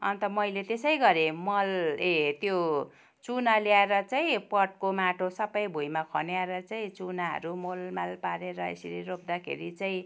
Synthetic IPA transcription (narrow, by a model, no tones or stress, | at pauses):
ʌ̰nt̪ʌmʌjlet̪esʌjɡʌɾemʌlet̪jo | t͡sunaljaeɾʌt͡saĩpʌʈ̚komaʈʰosʌbʌjbʱujmakʰʌ̰njaeɾʌt͡saĩt͡sunaɦʌ̰ɾumolmalpaɾeɾʌḛsiɾiɾop̚d̪akʰḛɾit͡saĩ